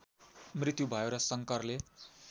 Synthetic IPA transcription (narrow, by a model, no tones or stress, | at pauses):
mrit̪jubʱʌjoɾʌsʌŋkʌrle